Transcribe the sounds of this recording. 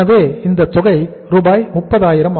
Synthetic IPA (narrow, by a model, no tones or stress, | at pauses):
ɐʋeːɪnd̪ɐt̪ːɔɣɐɪ | ɾuːbaːjmʊpːɐðaːjɪɾɐm